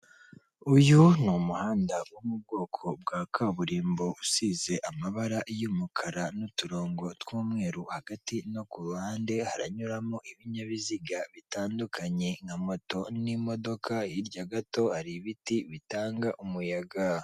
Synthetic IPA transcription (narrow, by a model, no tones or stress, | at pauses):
ujunumuhaːndawumub̚ɡo̞ːkʰo̞b̚ɡaːkʰaβuɾiːmbo̞ʔusize̞ʔamaβaɾajumukʰaɾanutuɾo̞ːŋɡo̞twuːmŋe̞ːɾuhaɡatino̞kuhaːnde̞haɾaɲuɾamoʔiβiɲaβiziɡaβitaːndukʰaɲe̞ŋamo̞to̞nimo̞do̞kʰajiɾɟaɡato̞haɾiβitiβitaːŋɡaʔumujaɡa